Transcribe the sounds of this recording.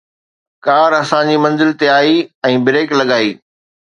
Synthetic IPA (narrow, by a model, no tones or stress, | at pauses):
kaːɾɐsãd͡ʑiːmɐ̃nzɪlt̪eaːiɛ̃ːbɪɾeːklɐɠaːiː